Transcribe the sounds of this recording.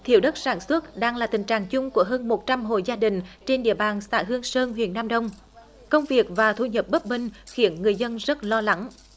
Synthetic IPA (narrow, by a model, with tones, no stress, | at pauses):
t̪ʰḭ˧˩əwɗə˦˥t̚saː˧˩nswə˦˥t̚ɗaː˧ŋlaː˨˩t̪ï˨˩ŋ̟t͡ɕaː˨˩ŋt͡ɕʊ˧ŋ͡mku˧˩əɦəː˧nmo˨˩t̚t͡ɕa˧mɦo̰˧˨jzaː˧ɗï˨˩ŋ̟t͡ɕe˧nɗḭ˧˨əɓaː˨˩nsa̰ː˧˩jɦɨ˧əŋsəː˧nɦwḭ˧˨ənːaː˧mɗə˧wŋ͡m | kə˧wŋ͡mvi˨˩ək̚vaː˨˩t̪ʰu˧ɲə˨˩p̚ɓə˦˥p̚mï˧ŋ̟xi˨˧˦ənŋɨ˨˩əjzə˧nzə˦˥t̚lɔ˧la˨˦ŋ